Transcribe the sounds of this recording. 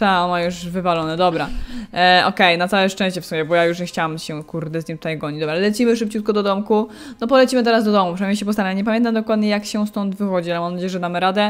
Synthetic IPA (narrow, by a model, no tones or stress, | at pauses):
t̪aɔnajuʂvɘvalɔnɛd̪ɔbɾa | ʔɔkɛjnat̪sawɛʂtɛ̃ɕt͡ɕɛfsumʲɛbɔjajuʂ̬ɲɛxt͡ɕawamɕɛkuɾd̪ɛzɲimt̪u̥t̪ajɡɔɲid͡ʑd̪ɔbɾalɛlɛt͡ɕimɘʂɘp̚t͡ɕut̪kɔd̪ɔd̪ɔmku | nɔpɔlɛt͡ɕimɘt̪ɛɾazd̪ɔd̪ɔmupʂɛnamɲejɕ̬ɛpɔst̪aɾaɲɛpamjɛnt̪amd̪ɔkwad̪ɲɛjakɕɛst̪ɔnd̪vɘxɔd͡ʑialɛmamnad͡ʑejɛʐɛd̪amɘɾad̪ɛ